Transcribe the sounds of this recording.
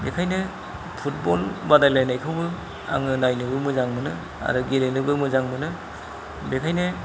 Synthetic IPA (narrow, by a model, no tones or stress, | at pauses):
bekʰajnɯ | pʰut̚bɔlbadajlajnajkʰɯwbɯ | a̰ŋɯnajnɯbɯmɯzaŋmɯnɯ | a̰ɾɯɡelenɯbɯmɯzaŋmɯnɯ | bekʰajnɯ